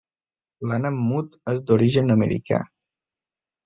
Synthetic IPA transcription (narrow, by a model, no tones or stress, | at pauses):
lanəmːut̪ezd̪oɾiʒənəmə̰ɾḭka̰